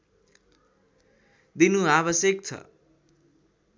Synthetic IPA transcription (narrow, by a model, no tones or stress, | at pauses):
d̪inuaβʌsjekt͡sʰʌ̰